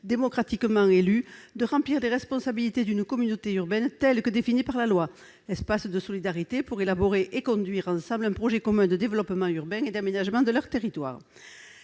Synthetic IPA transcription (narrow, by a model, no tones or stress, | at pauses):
d̪emɔkχat̪ikəmɑ̃elyd̪əʁɑ̃pliʁleʁɛspɔ̃sabilit̪ed̪ynəkɔmynot̪eyʁbɛnt̪ɛlkəd̪efinipaʁlalwa | ɛspasd̪əsɔlid̪aʁit̪epuʁelaboʁeʔekɔ̃d̪ɥiʁɑ̃sɑ̃mblɛ̃pχɔʒɛkɔmɛ̃d̪əd̪evəlɔpəmɑ̃yʁbɛ̃ed̪amenaʒəmɑ̃d̪əlœʁt̪eʁit̪wa̰ʁ